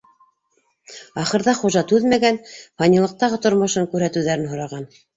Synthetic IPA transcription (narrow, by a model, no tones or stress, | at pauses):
ɑχɤ̆ɾðɑχuʒɑt̪ʉðmæɡænfɑnʲilˠɤ̆q̚t̪ɑʁɤt̪ŏɾmŏʃɤŋkʉɾhæt̪ɘ̆wðæɾɘnɦŏɾɑʁɑn